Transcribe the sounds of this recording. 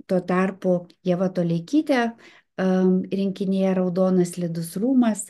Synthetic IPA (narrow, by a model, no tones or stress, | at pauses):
t̪oːt̪ɑrpʊjɛʋɐt̪oːlʲɛɪkʲiːt̪ʲɛ | ɾʲɪŋʲkʲɪnʲejɛɾɐʊd̪oːnɐslʲɪd̪ʊsruːmɐs